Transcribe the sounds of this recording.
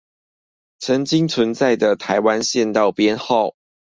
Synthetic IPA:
t͡sʰə˧˦nt͡ɕi˦˥ŋt͡sʰwə˧˦nt͡sa˥˩ɪd̪ə˨t̪ʰa˧˥ɪwa˦nɕjɛ˥˧nt̪ɑ˥˨ʊpjɛ˦nxo˥˨ʊ

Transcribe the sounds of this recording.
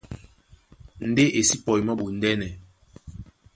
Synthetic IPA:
n̩˨de˦ʔe˨si˦pɔ˨jmɔ˦ɓu˨n̩˦dɛ˦nɛ˨

